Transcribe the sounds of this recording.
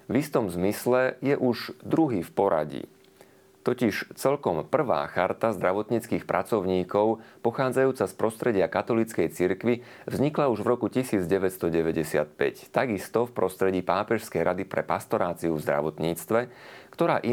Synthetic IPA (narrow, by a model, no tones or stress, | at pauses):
vist̪ɔmzmislɛjɛʔuʒd̪ɾuɦiːfpɔɾa̰ɟḭ | t̪ɔciʃt͡sɛlkɔmpr̩ʋa̰ːxaɾt̪azd̪ɾaʋɔt̪ɲiːt͡skiːxpɾʔat͡sɔʊɲiːkɔʊpɔxaːd͡zajuːt͡saspɾɔst̪ɾɛɟɪakat̪ɔlit͡skɛjt͡siɾkʋi | vzɲiklauʒʋɾɔkucisiːd͡zɟɛʋɛtst̪ɔɟɛʋɛɟɛsɪa̰t̪̚pɛ̰ct̪aɡist̪ɔfpɾɔst̪ɾɛɟiːpaːpɛʃskɛjɾad̪ipɾɛ̰past̪ɔɾaːt͡siuvzd̪ɾa̰ʋɔt̪ɲiːt͡st̪ʋɛkt̪ɔɾaːʔi